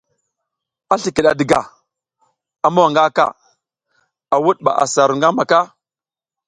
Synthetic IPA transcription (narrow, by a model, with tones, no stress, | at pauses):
a˦ɬi˨ki˨ɗa˨də˨ɡa̰˨ | a˨ma˦wa˨ŋɡa˦ka̰˦˨ | a˨wu˦ɗ̚ɓa̰˨ʔa̰˨sa˨ɾu˨ŋɡa˦ma˨ka˦